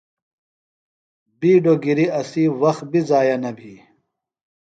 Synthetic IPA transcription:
biːɖoɡiɾiɐsiːwɐx̚bizaːjɐnɐbʱiː

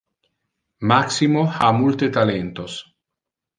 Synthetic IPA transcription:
maksimoxa̰mult̪et̪alent̪os

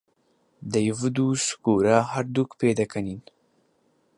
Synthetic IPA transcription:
d̪ɐjvɨd̪uskuɾaɦaɾd̪ukpeːd̪ɐkʰɐnin

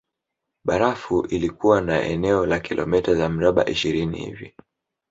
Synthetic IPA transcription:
ɓaɾafuʔilikuwanaʔɛ̰nɛɔlakilʔɔ̰mɛtazam̩ɾaɓa̰ʔiʃiɾinḭhḭvḭ

